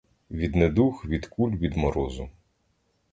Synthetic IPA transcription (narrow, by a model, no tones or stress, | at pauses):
ʋʲid̪ned̪uxʋʲid̪kulʲʋʲid̪mɔɾɔzʊ